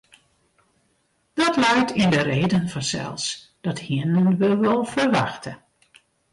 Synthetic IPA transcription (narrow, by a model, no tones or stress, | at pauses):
d̥ɑtlɛjtʰɪndərejdənfɔnsɛ̰lˠs | d̥ɑthiənənʋəʋəlˠfəɹʋɑ̰xtə